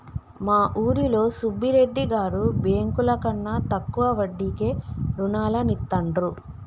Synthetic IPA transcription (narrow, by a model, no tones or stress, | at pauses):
maːʔuːɾilo̞ːsubʱːiɾe̞ɖːiɡaːɾubeːŋkulɐkɐnːat̪ɐkːuʋɐʋɐɖːike̞ːɾunaːlɐnit̪ːɐɳɖɾu